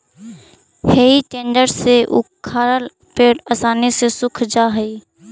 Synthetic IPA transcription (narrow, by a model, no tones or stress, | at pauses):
heːiʈẽːɳɖəɾseʔʊ̰kʰːaːɾəl | peːɽɐsaːnisesʊkʰd͡ʒaːɦəi